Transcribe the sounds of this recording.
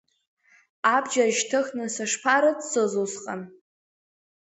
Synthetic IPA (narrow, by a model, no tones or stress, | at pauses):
abd͡ʒaʒtʰɨxnɨsaʂpʰaɾadsɨzusqʼan